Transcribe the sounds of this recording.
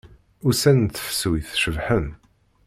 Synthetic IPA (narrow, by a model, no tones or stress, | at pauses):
ʊɾsænt̪ə̥fə̥swiθʃəvħən